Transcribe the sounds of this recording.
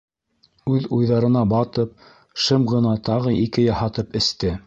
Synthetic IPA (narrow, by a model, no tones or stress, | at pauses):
ʉðujðɑɾɤ̆nɑbɑt̪ɤp̚ | ʃɤmʁɤ̆nɑt̪ɑʁɤʔikɘjɑhɑt̪ɤpɘ̆st̪ɘ